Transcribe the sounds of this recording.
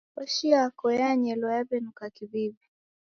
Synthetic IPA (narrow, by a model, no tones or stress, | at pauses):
waʃiakɔjaɲɛlɔabɛnukakiβibi